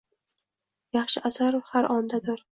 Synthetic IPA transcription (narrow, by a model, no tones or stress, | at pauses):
jɑχʃɪʔasaɾhaɾʔɒnd̪ad̪ɪɾ